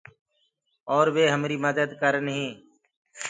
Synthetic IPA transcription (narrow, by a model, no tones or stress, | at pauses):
ɔːɾʋeːɦəmɾiːməd̪əd̪kəɾnɦĩː